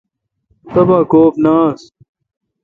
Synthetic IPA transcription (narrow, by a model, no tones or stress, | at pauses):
t̪ɐbaːkoːpnaːs